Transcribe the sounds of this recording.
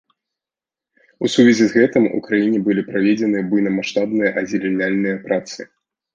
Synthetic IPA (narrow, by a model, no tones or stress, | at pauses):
usuvʲɛzʲizɣɛt̪ɨmṵkɾajinʲɛbɨlʲipɾavʲed͡zʲɛnɨjɐbɨjnɐmaʂt̪abnɨjɐʔɐd͡zʲilʲinʲalʲnɨjɐpɾat̪sɨ̰